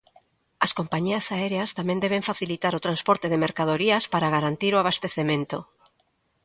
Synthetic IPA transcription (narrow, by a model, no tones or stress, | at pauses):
ɐskompaɲiɐsaɛɾeast̪amẽnd̪ɛβeɱfaθilit̪aɾot̪ɾanspɔɾt̪eðemeɾkaðoɾiɐspaɾaɣaɾant̪iɾoaβast̪eθemẽnt̪o